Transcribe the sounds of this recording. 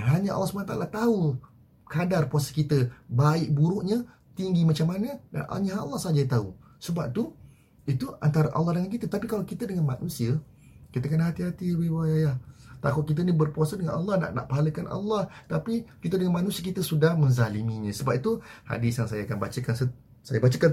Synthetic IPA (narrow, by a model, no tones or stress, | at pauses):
ɦaɲãʔlːɑsəmanat̪aʔalat̪au | kadarpuasə̥kit̪əbaɪʔ̚buɾuʔɲa | t̪iŋɡimat͡ʃamːanə̃da̰nʔa̰ɲaʔɑ̰lːɑhsad͡ʒat̪au | səbap̚t̪u | it̪ua̰nt̪aɾaʔɑ̰lːɑhdəŋank̬it̪ət̪apikalakit̪ədəŋanmanũsiə | kit̪əkənaɦat̪iɦat̪iwiwajajaht̪akʊt̪̚kit̪̬ənibərpuasadəŋanɑlːɑhna̰ʔna̰ʔpaɦaləkanʔa̰lːɑht̪apikit̪ədəŋanmanũsiəkit̪əsudahmə̃nzalimiɲə̃səbap̚it̪uha̰disjaŋsajaakanbat͡ʃəkansə | sa̰jabat͡ʃəkan